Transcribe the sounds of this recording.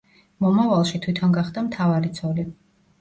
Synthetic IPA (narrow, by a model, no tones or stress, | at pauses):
mɔmavalˠʃit̪ʰwit̪ʰɔnɡaχd̪amt̪ʰavaɾit̪sʰɔli